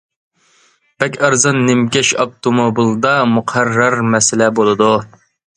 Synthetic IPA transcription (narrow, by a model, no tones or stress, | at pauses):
b̥ɛkʲɑɾzɨnːɪmkʲɛʃɑp̚t̪ʰomobilˠd̪ɑmuqʰærːɑɾmɛsɪlɛbolˠɨd̪u